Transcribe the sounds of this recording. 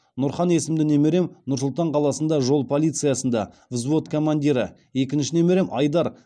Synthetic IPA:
nʊɾχɑne̞sɪmd̪ɪne̞me̞ɾe̞mnʊɾsʊlˠt̪ɑɴqʰɑlˠɑsənd̪ɑʒo̞lˠpʰo̞lʲˠijt̪sɨjasənd̪ɑ | vzvo̞t̪kʰo̞mand̪ʲiɾə̰ | e̞kʲɪnʃɪne̞me̞ɾe̞mʔɑjd̪ɑɾ

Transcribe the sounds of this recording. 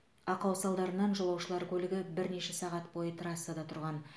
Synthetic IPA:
ɑqɑwsɑlˠd̪ɑɾənɑnʒəlˠɑwʃəlˠɑɾkʲʰɵlɪɡʲɪbɪɾne̞ʃɪsɑʁɑt̪bo̞jət̪ʰɾɑsːad̪ɑt̪ʰʊɾʁɑn

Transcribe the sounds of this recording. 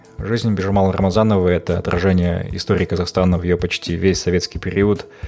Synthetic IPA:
ʐɨzʲnʲbʲɪʐɐmalˠɾə̰mɐzanəvəɛt̪əɐ̰t̪ɾʔɐ̰ʐɛnʲɪjə̰ɪ̰st̪oɾʲɪːkəzɐxst̪anəvjɪjopɐt͡ɕtʲivʲesʲsɐvʲet̪skʲɪjpʲɪɾʲiət̪

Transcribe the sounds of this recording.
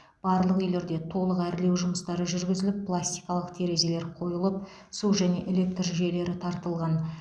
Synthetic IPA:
b̥ɑɾlˠəqʏjle̞ɾd̪e̞t̪ʰo̞lˠəqæɾɪle̞wʒʊməst̪ɑɾəʒʏɾɡʲɪzɪlɪppʰːlˠasʲt̪ijkɑlˠəqt̪ʰe̞ɾe̞ze̞le̞ɾqʰo̞jəlˠəp̚ | suʒæne̞ʔele̞k̚t̪rʒʒe̞le̞ɾɪt̪ʰɑɾt̪əlˠʁɑn

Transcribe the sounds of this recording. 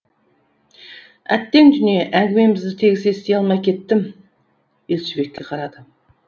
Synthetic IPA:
æ̰t̪ːe̞ŋd̪ʏnijeʔæŋɡʲɪme̞mɪzd̪ɪt̪ʰe̞ɡʲɪsest̪ejɑlˠmɑjkʲʰe̞t̪ːɪm | elʲsʏbekʲːe̞qʰɑɾɑd̪ə

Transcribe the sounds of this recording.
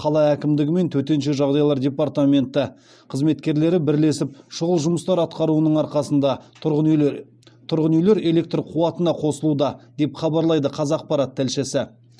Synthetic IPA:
qʰɑlˠɑækʲɪmd̪ɪɡʲɪme̞nt̪ʰɵt̪e̞nʃe̞ʒɑʁd̪ɑjlˠɑɾdʲe̞part̪ame̞nt̪ɪ | qʰəzme̞t̪kʲe̞ɾle̞ɾɪbɪɾle̞sɪpʃʊʁəlˠʒʊməst̪ɑɾɑt̪̚qɑɾuənəɴɑɾqɑsənd̪ɑ | t̪ʰʊɾʁənʏjle̞ɾe̞le̞k̚t̪rqʰuɑt̪ənɑqʰo̞səlˠud̪ɑd̪e̞pχɑbɑɾlˠɑjd̪əqʰɑzɑq̚pɑɾɑt̪ʰːælʃɪsɪ

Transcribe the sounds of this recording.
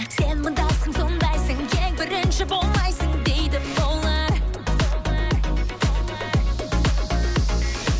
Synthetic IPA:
senməd̪ɑsəŋsond̪ɑjsəŋkebɪɾɪnʃɪbolˠmɑjsəŋd̪ejd̪ɪbolˠəɾ

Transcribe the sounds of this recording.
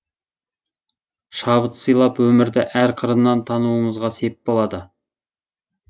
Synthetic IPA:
ʃɑbət̪səjlˠɑpwɵmɪɾd̪ɪʔæɾqʰəɾənːɑnt̪ʰɑnuəɴəzʁɑse̞pp̚bolˠɑd̪ə

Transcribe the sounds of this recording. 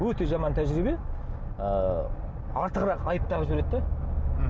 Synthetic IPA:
wɵt̪e̞ʒɑmɑnt̪ʰæʒɾibe̞ | ə | ɑɾt̪əʁəɾɑqɑjəp̚t̪ɑʁʒʏɾe̞d̪d̪e

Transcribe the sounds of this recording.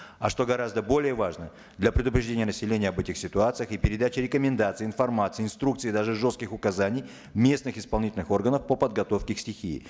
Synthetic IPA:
ɐ̰ʂt̪o̞ɡɐɾazd̪əbo̞lʲɪjəvaʐnə | d̪lʲɐpɾʲɪd̪ʊpɾʲɪʐdʲenʲɪjənəsʲɪlʲenʲɪjəɐbɛtʲɪxsʲɪt̪ʊat̪sɨjəxɪpʲɪɾʲɪd̪at͡ɕɪɾʲɪkəmʲɪnd̪at̪sɨɪɪnfɐrmat̪sɨɪɪnst̪ɾuk̚t̪sɨid̪aʐɨʐo̞st̪kʲɪxʊkɐzanʲɪj | mʲe̞snɨxɪspɐlˠnʲitʲɪlʲnɨxo̞rɡənəfpəpəd̪̚ɡɐt̪o̞fkʲɪksʲtʲɪxʲḭː

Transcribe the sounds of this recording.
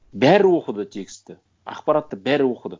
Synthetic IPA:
bæɾɪwoqəd̪ət̪ʰekʲst̪e | ɑ̰qpɑɾat̪ːəbæɾɪwoqəd̪ə

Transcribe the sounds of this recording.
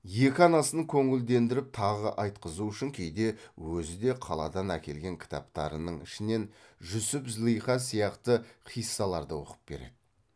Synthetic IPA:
je̞kʲɪɑnɑsəkʲʰɵŋɪld̪e̞nd̪ɪɾɪp̚t̪ʰɑʁəʔɑjt̪qəzuʏʃɪŋkʲʰe̞jd̪e̞wɵzɪd̪e̞qʰɑlˠɑ̰d̪ɑnækʲe̞lɡʲe̞ŋkʲʰɪ̥t̪ɑ̰p̚t̪ɑ̰ɾənəɴɪʃɪne̞nʒʊsɪpzlˠijχɑsijɑqt̪əχʰijsːɑlˠɑɾd̪əwo̞̰qə̥p̚b̥e̞̰ɾe̞̰d̪̥ɪ̥

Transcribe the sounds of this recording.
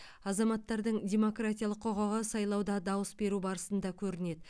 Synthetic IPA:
ɑzɑmɑt̪ːɑɾd̪əɴdʲe̞mo̞krat̪ʲijalˠəqʰːo̞ʁɑʁɑsɑjlˠɑwd̪ɑd̪ɑwəsbe̞ɾubɑɾəsənd̪ɑkʲʰɵɾɪne̞d̪

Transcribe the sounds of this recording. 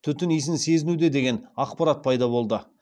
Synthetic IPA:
t̪ʰʏt̪ɪnijs̬ɪnse̞zɪnud̪e̞d̪e̞ɡʲe̞nɑqpɑɾat̪̚pʰɑjd̪ɑbo̞lˠd̪ə

